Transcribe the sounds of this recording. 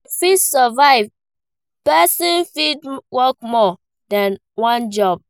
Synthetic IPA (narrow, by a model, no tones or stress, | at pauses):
fisɔvaɪv | pɛsɔ̃nfidwɔkmɔ | dãn | wãnd͡ʒɔb̚